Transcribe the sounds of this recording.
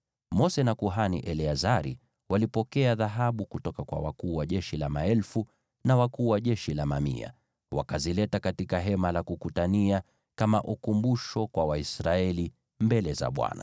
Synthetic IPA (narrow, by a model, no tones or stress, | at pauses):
mɔsɛnakuɦanḭʔɛliazaɾḭ | walipɔkɛaðaɦaɓukutɔkakwa̰wa̰kuːwaʄɛʃilamaɛlfu | nawakuːwaʄɛʃilamamḭa̰ | wa̰kazilɛtakatikaɦɛmalakukutania | kamaʔukumbuʃɔkwawaisɾaɛli | mbɛlɛza̰ɓwa̰na̰